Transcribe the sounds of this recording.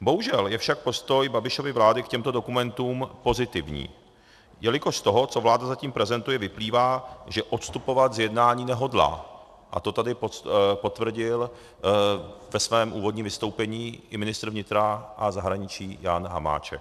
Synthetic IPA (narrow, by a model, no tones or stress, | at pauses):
bo̞ɦuʒɛljɛfʃak̚po̞st̪o̞jbabɪʃo̞vɪvlaːdɪkcɛmt̪o̞do̞kumɛnt̪uːmpo̞zɪt̪ɪvɲḭː | jɛlɪko̞ʃt̪o̞ɦo̞t͡so̞vlaːdazaciːmpɾɛzɛnt̪ujɛvɪpliːvaːʒɛʔot̪st̪upo̞vat̪zjɛdnaːɲiːnɛɦo̞dla̰ː | ʔa̰t̪o̞t̪adɪpopo̞t̪vr̩ɟɪl | vɛsvɛːmʔuːvo̞dɲiːmvɪst̪o̞wpɛɲiːʔɪmɪnɪst̪ɾvɲɪt̪ɾaʔazaɦɾaɲɪt͡ʃiːjaːnɦa̰ma̰ːt͡ʃɛ̰k